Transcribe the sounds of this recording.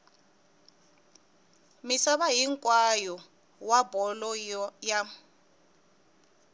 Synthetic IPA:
misaβaɦiŋkʼwajɔ | wabɔlɔja

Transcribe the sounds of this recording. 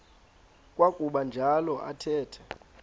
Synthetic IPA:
kʼwakʼuɓand͡ʒʱalɔʔa̰tʰɛːtʰɛ̥

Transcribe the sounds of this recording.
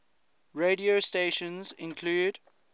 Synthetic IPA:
ɹediosteʃə̃nzɪ̃nkʰluːd

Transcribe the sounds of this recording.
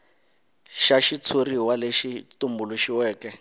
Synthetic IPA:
ʃaʃit͡sʰuriwaleʃitumbuluʃiwɛːkɛ

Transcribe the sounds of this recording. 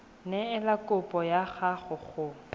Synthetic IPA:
nɛɪlakʼʊpʼɔjaɣaχʊχʊ

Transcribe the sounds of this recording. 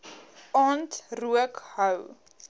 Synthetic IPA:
ɑːntruəkhəw

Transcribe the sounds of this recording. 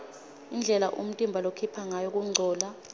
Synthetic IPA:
ind͡ɮʱɛlaʔṵm̩tʼimbʱalokʰipʰaŋajok̬ʼuŋ͡ǀʱɔːla

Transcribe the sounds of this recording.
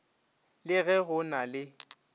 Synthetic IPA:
lɪɣɛɣʊnalɪ

